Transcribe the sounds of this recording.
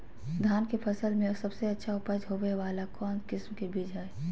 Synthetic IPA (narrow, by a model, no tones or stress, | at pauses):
d̪ʱaːnkepʰəsəlmẽsɐbseɐtːʃʰaʊpəd͡ʒɦoʋeʋaːlakɔːnkɪsmkebiːd͡ʒɦɛe